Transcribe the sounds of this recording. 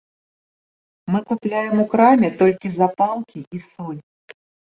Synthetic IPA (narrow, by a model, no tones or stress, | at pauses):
mɨkuplʲajɛmukɾamʲɛt̪ɔlʲkʲizapalˠkʲiisɔlʲ